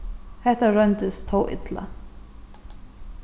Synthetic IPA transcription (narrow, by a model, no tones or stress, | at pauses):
hɛht̪aɾœnt̪əst̪ʰowʔɪ̰t̪la̰